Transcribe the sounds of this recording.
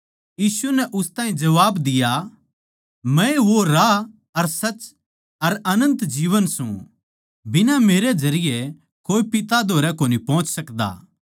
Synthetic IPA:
jiːsunɛʔʊst̪ãːɦĩd͡ʒɐʋaːbd̪ɪja | mɛ̃eʋoɾa | ɐɾsɐt͡ʃ | ɐɾɐnə̃nt̪d͡ʒiːʋənsṵ̃ | bɪnameːɾed͡ʒɐɾɪjɛ | koːipɪt̪ad̪ʱoːɾɛkoːnipɔ̃ːt͡ʃsɐkd̪a̰ː

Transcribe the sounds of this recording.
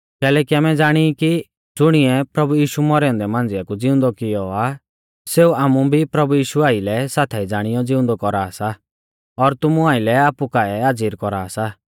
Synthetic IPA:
kɛːlɛːkiaːmɛd͡zaːɽ̃iki | d͡zʊɽ̃iɛpɾɐbujiːʃumɔɾɛɔ̃nd̪ɛmãːnd͡zɪakud͡zɪʊ̃nd̪ɔkɪjɔa | seːuaːmubʱipɾɐbujiːʃuaːilɛsaːt̪ʰaid͡zaːɽ̃ɪjɔd͡zɪ̃ʊ̃nd̪ɔkɔɾaːsa | ɔɾt̪ʊmuaːɪlɛaːpukaɛaːd͡ziːɾkɔɾaːsa

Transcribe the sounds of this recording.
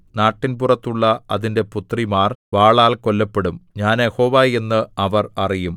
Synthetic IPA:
naːʈːinpurɐt̪ːuɭːɐɐðinde̞put̪rimaːrʋaːɭaːlko̞lːɐpːe̞ɽumɲaːnjeho̞ːʋaːje̞nːɨɐʋɐrɐrijum

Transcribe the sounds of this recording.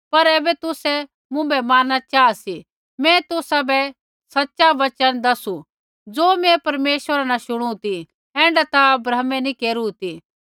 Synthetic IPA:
pɐɾɛːbɛt̪ʊsɛ | mʊ̃bɛmaːnat͡ʃaːasi | mɛ̃t̪ʊsabɛ | sɐtːʃaʋɐt͡ʃənd̪ɐsu | d͡zoːmɛ̃pɐɾmeːʃʋəɾanaʃʊɽ̃ut̪i | ɛ̃ːɳɖat̪aɐbɾɐɦmɛ̃nĩkeːɾut̪i

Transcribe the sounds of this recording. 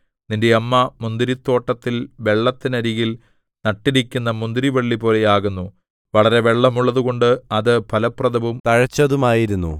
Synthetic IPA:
ninde̞ɐmːɐmund̪iɾit̪ːo̞ːʈːɐt̪ːilʋe̞ɭːɐt̪ːinɐɾiɣil | nɐʈːiɾikʲːunːɐmund̪iɾiʋɐɭːipo̞ːle̞jaːɣunːu | ʋɐɭɐɾe̞ʋe̞ɭːɐmuɭːɐðuɣo̞ɳɖɨɐðɨpʰɐlɐprɐðɐʋumt̪ɐɻɐt͡ɕːɐðumaːjiɾunːṵ

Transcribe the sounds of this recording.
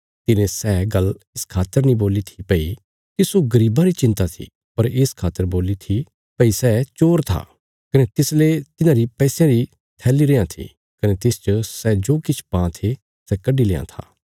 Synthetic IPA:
t̪ɪnẽsɛːɡɐlɪskʰaːt̪əɾnĩboːlit̪ʰipɐi | kisoɡɐɾiːbaɾit͡ʃɪ̃nt̪at̪ʰḭ | pɐɾɪskʰaːt̪əɾboːlit̪ʰi | pɐisɛːt͡ʃoːɾt̪ʰa̰ː | kɐnet̪ɪslet̪ɪnãɾipɛːsjãɾi | t̪ʰɛːliɾeːãt̪ʰḭ | kɐnet̪ɪːst͡ʃəsɛːd͡ʒoːkɪt͡ʃʰpãːt̪ʰe | sɛkɐɖileːã̰t̪ʰa̰ː

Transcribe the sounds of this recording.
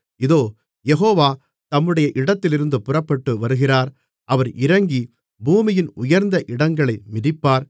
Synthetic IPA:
ɪðoː | jɛɦoːʋaː | t̪ɐmːɯɽɐjɐʔɪɽɐt̪ːɪlɪɾɯnd̪ɯpʊrɐpːɐʈːɯʋɐɾɯɣɪraːɾ | ʔɐʋɐɾʔɪɾɐŋɡi | buːmɪjɪnʊjɐɾnd̪ɐʔɪɽɐŋɡɐɭɐɪmɪɾɪpːaːɾ

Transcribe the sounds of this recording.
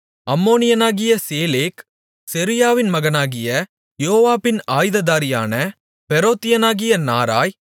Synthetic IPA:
ɐmːoːnɪjɐnaːɣɪjɐseːleːk | sɛɾɪjaːʋɪnmɐɣɐnaːɣɪjɐ | joːʋaːpːɪnaːjðɐðaːɾɪja̰ːnɐ | pɛɾoːt̪ːɪjɐnaːɣɪjɐna̰ːɾa̰ːj

